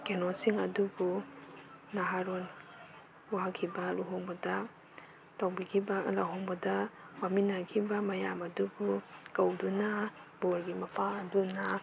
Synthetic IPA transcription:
kenɔsiŋɐdubu | naɦaɾɔn | waakʰibaluɦɔŋbɔda | tawbikʰibalaɦɔŋbɔda | waminakʰibamɐjamɐdubukawduna | bɔɾɡimapʰaːduna

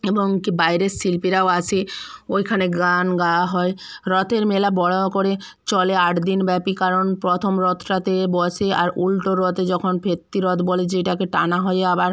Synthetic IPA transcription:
eboŋkibajɾesilpiɾaoat͡ɕʰeojkʰaneɡanɡaɦɔe | ɾɔt̪eɾmelabɔɽaokoɾe | t͡ɕɔleaʈd̪inbɛpikaɾonpɾot̪ʰomɾɔt̪ʰɾat̪ebɔsʰea̰ɾulʈoɾɔt̪ed͡ʑɔkʰonbʱet̪ːiɾɔt̪boled͡ʑeʈakeʈanaɦɔeabaɾ

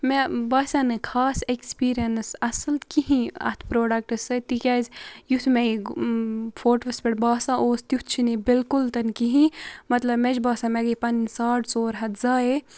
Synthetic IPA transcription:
mebaːsaːnɨkʰaːsekspiːɾijɐnsɐsɨlkiɦĩɐ̰t̪ʰpɾoːɖɐk̚ʈɨsɨt̪ikʲaːzʲjut̪ʰme | fʰoːʈʋɐspeʈbaːsãʔoːst̪jut̪ʰt͡ʃʰinibɪlkult̪ɐnkiɦĩmɐt̪lɐbmed͡ʒbaːsãmeɡɐpɐnsaːʈʰsoːɾɦɐt̪zaːe

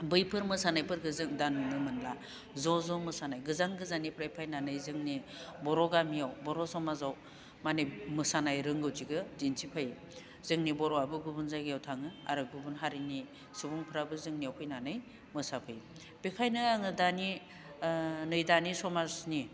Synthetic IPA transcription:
bɯjpʰɯɾmɯsanajpʰɯɾɡɯzɯŋdannɯmɯnla | zɔzɔmɯsanajɡɯzaŋɡɯzanipʰɾajpʰajnanɯjzɯŋnibɔɾɔɡamijawbɔɾɔsɔmazaw | manɯjmɯsanajɾɯŋɡɯwziɡɯzinsʰipʰaj | z̥ɯŋnibɔɾɔabɯɡubunzaɡijawtʰaŋɯa̰ɾɯɡubunɦaɾini | subuŋpʰɯɾabɯzɯŋniawpʰɯjnanɯj | mɯsapʰɯj | b̥ekʰajnɯaŋɯdani | nɯjdanisɔmazni

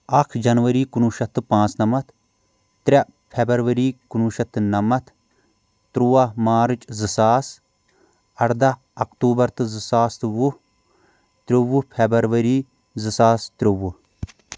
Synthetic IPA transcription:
ɐkʰd͡ʒɐnʋɐɾiːkunuːʃɐt̪ɨpãːt͡snɐmɐt̪ | t̪ɾʲɐ | pʰʲebɐɾʋɐɾiːkunuːʃɐt̪ɨnɐmɐt̪ʰ | t̪ɾuwamaːɾɨt͡ʃzɨsaːs | ɐɽd̪ɐ | ɐkt̪uːbɐɾt̪ɨzɨsaːst̪ɨʋu | t̪ɾʲoʋupʰebɐɾʋɐɾiː | zɨsaːst̪ɾʲoʋu

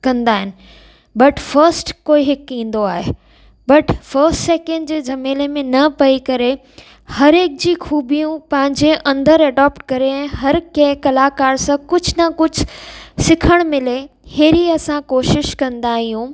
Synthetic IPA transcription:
kɐ̃nd̪aːɦɪnɪ̆ | bɐʈfɐɾsʈkoːiɦɪkĩːnd̪oaːɦe | bɐʈfɐɾsʈseːkɛ̃ɳɖd͡ʑeːd͡ʑɐmeːlemẽnɐpɐikɐɾe | hɐɾeːk̚d͡ʑiːxuːbijũpɐ̃ɦɪ̃ɲd͡ʑeʔɐ̃nd̪əɾɐɖaːpʈkɐɾeɛ̃ːɦɐɾkɐ̃kɐlaːkaːɾsãkʊd͡ʑʱnɐkʊd͡ʑʱʊsɪkʰəɽ̃mɪleheːɾiɐsãkoːʃɪʃkɐ̃nd̪aːɦijũː

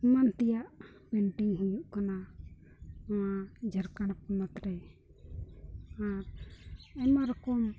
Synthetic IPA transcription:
ɛmant̪ɛjaʔ | pɛɳʈiŋɦujuʔkana | wad͡ʒʱəɾkaɽapɔmat̪ɾɛ | aɾ | ɛmaɾɔkɔm

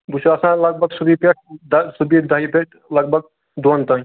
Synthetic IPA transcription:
but͡ʃʰasãləɡ̚bʱəɡsubipeʈ̚ʰd̪subid̪əɦipeʈʰ | ləɡ̚bʱəɡ̚ | d̪ont̪əĩ

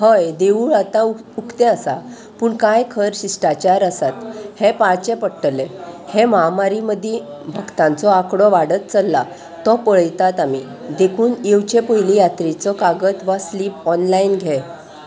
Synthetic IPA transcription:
həjd̪euːɭat̪ãukʰt̪ɛ̃əsa | puːɳkajkʰəɾɕisʈat͡ɕaɾəsat̪hepaɭt͡ɕepəɽʈəlehẽmamaɾiməd̪ʱjebʱəɡt̪ãnt͡sɔakɽɔʋaɽət̪̚t͡səlːa | t̪ɔpəɭəjt̪at̪ami | d̪ekʰuːnewt͡ɕepəjlijat̪ɾit͡sɔkaɡət̪ʋasliːpɔnlainɡʱɛ

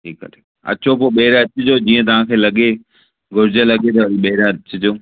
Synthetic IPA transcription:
ʈʰiːkːɐ̰t̪ʰe | ɐ̰t͡ɕʰopoːɓeɦɪɾaɐt͡ɕʊd͡ʑod͡ʑiːə̃t̪ɐʋ̤ãkʰeːlɐɠe | ɡʱʊɾɪd͡ʑəlɐɡet̪ɐiɓɐɦɪɾaɐt͡ɕɪd͡ʑoː

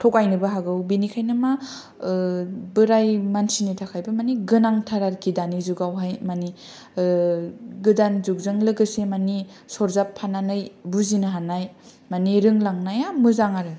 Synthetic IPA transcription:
tʰɔkajnɯbaɦaɡɯwbinikʰajnɯma | bɯɾajmansinitʰakʰajbɯmaniɡɯnaŋtʰaɾaɾkʰidanizuɡawɦajmani | ɡɯdanzuk̚zɯŋlɯɡɯsemani | sɔɾzapʰːananɯjbuzinɯɦanaj | maniɾɯŋlaŋnajamɯzaŋaɾɯ

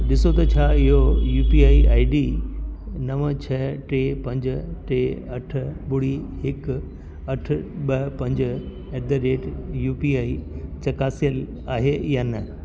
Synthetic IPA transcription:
ɗɪsot̪ɐt͡ɕʰaːɪɦojuːpiaːiaːiɖiː | nɐʋə̃t͡ɕʰɐʈeːpɐ̃ɲd͡ʑʈeɐʈʰɓʊɽihɪk | ɐʈ̆ʰɓɐpɐ̃ɲd͡ʑ | ɛʈ̚d̪əɾeːʈjuːpiaːit͡ɕɐkaːsijəl | aːɦejaːnɐ

